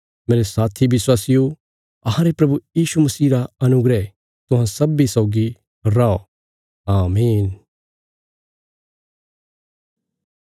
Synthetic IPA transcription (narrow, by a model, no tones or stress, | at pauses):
meːɾesaːt̪ʰibɪswaːsɪjo | ɐɦãɾepɾɐbujiːʃumɐsiːɾaɐnʊɡɾɛ | t̪ʊɦãsɐbisɔːɡi | ɾaːo | aːmiːn